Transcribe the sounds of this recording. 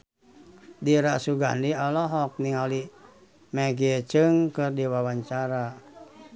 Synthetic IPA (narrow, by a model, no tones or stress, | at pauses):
diɾasuɡa̰ndialɔɦɔk̚niŋali | mɛɡiet͡ʃɨŋkɨrdiwawaɲt͡ʃaɾa